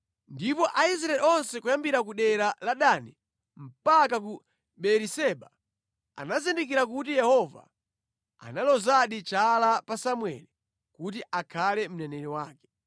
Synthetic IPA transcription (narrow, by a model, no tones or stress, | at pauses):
ndipɔʔais̬ɾaɛliɔnsɛkujambiɾak̬uɗɛɾalaɗani | m̩pakak̬u | ɓɛɾisɛɓa | a̰nazindik̬iɾakut̬ijɛhɔva̰ | a̰nalɔzaɗit͡ʃalapasamwɛ̰li | kutiʔakʰalɛm̩nɛnɛɾiwaːkɛ̥